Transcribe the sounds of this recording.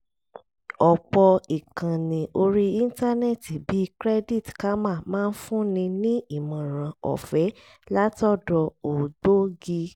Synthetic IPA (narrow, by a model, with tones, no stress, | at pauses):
ɔ˨k͡pɔ˧i˨kã˨nĩ˨ʔo˧ɾi˦i˦n̩˦ta˦nɛ˦˨ti˨bi˨˦kɾɛ˦di˦˨tka˦mã˦˨mãː˦˧n̩˦fũ˦nĩ˧nĩ˦i˦˨mã˨ɾ̃ã˨ɔ̰˨fɛ˨˦ | la˦tɔ˦dɔ˧o˨ɡ͡bo˦ɡi˧